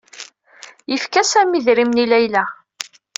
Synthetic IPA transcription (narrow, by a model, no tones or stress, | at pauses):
jəfkæsæmiðɾimnilæjlæ